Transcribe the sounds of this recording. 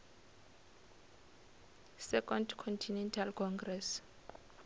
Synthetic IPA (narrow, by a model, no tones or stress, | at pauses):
sɛkɔndkʰɔntʰinɛntʰalkʰɔŋɡrɛs